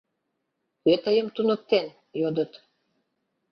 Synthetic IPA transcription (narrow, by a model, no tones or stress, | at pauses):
køt̪əjəmt̪unə̆k̚t̪en | jod̪ət̪